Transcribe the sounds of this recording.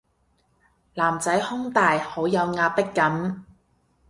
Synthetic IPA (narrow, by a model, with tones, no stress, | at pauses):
laː˨˩mt͡sɐ˨˥jhʊ˥ŋt̪aː˨jho˨˥wjɐ˨˧wŋaː˧pɪ˥kːɐ˨˥m